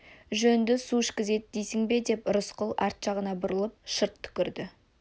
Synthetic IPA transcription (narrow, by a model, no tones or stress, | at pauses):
ʒɵnd̪ɪsuɪʃkʲɪze̞t̪ɪd̪ejsɪŋbe̞d̪e̞pɾʊsqəlˠɑ̰ɾt̪ʃɑʁənɑbʊɾəlˠəp̚ʃəɾt̪ʰːʏ̥kʲɪɾd̪ɪ